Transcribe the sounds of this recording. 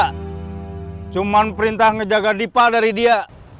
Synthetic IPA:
t͡ʃumanpəɾint̪ahŋəd͡ʒaɡadipadaɾidia

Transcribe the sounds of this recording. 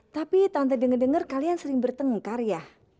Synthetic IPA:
t̪apit̪ant̪̬adəŋərdəŋərkaliansəɾɪŋbərt̪əŋkarjah

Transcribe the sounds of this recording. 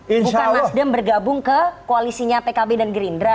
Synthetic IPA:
inuʃkalasdəmbərɡabʊŋkəkoalisiɲapekabedanɡɾindɾa

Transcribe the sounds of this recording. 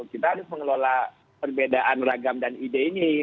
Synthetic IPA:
kit̪aadʊsməŋəlola | pərbedaʔanraɡamdanideini

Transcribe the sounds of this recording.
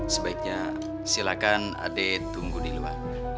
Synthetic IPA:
səbaik̚ɲa | silakan | a̰dɛt̪uŋɡudilua̰r

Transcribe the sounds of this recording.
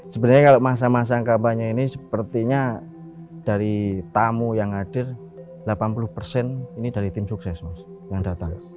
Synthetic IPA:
səbənərɲakaloʔmas̬amas̬aŋkabaɲainisəpərt̪iɲa | d̥aɾit̪amujaŋɦad̥ɪr | lapanpulʊhpərsɛninidaɾit̪ɪmsuksɛsmas | jaŋdat̪aŋ

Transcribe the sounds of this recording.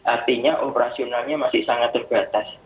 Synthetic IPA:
ʔart̪iɲaʔopɾasionalɲamasɪhsaŋat̪̚ːərb̥at̪as

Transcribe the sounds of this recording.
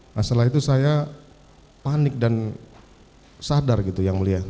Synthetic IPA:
masalaɦit̪usaja | panɪk̚dan | sadarɡit̪ujaŋməlia

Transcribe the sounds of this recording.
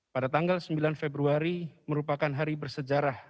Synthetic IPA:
padat̪aŋɡalsəmbilanfebɾuaɾiməɾupakanɦaɾibərsəd͡ʒaɾah

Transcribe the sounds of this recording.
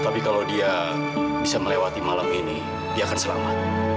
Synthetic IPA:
t̪apikalawdia | bisaməlewat̪imalamini | diaːkansəla̰mat̪̚

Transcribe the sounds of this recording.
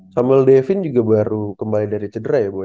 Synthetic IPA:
samɛldɛfɪnd͡ʒuɡabaɾukəmbalidaɾit͡ʃədəɾajabo

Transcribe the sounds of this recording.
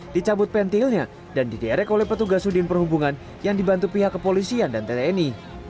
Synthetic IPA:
d̥it͡ʃabʊt̪̚pɛnt̪ɪlɲa | dandidɛɾɛkolɛhpət̪uɡasudɪnpərhubuŋan | jaŋdibant̪upiɦakːəpolisiandant̪et̪eːni

